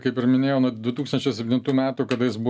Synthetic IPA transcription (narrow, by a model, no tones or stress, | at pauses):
kɐɪpɪɾmʲɪnʲeːjɛːnuːd̪ʊt̪uːkst̪ɐnʲt͡ʃʲɛɪsʲɛpʲt̪ʲɪnt̪uːmʲæːt̪uːkɐd̪ɐjɪsbʊ